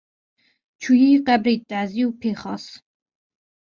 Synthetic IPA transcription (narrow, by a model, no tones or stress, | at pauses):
t͡ʃʰujiːqʼæbɾit̪ʼːæziupʰeχɑs